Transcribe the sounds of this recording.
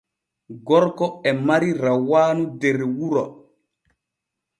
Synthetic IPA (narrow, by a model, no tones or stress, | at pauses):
ɡɔɾkɔɛmaɾiɾawaːnudɛɾwuɾɔ